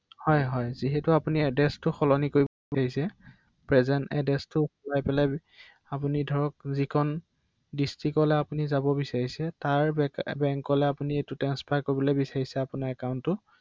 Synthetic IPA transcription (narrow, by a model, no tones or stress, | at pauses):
hɔjɦɔjziɦɛtuapuniɛdɛstʊxɔlɔnikoɹibɔbaɹisɛ | pɹɛzɛntɛ̰dɛstʊxɔlajpɛlaj | apunidʱɔɹɔk̚zikʰɔn | distikɔlɛapunizabɔbisaɹisɛtaɹbɛŋkɔlɛapunietutɹanspʰakoɹibɔlojbisaɹisɛapunaɹɛkaʊ̃ntːʊ